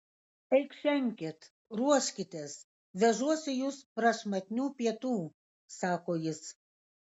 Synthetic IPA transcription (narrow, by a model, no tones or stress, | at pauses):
ɛɪkʃʲɛŋʲkʲɪt̪ | ɾuɔʃʲkʲɪt̪ʲes | ʋʲɛʒuɔsʲɪjuːspɾɐʃmɐt̪ʲnʲuːpʲiɛt̪uː | sɑːkoːjɪs